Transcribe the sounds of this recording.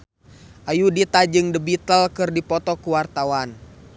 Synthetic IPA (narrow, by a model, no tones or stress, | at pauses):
ʔajudit̪ad͡ʒɨŋdəbit̪əlkɨrdipɔt̪ɔkuwart̪awan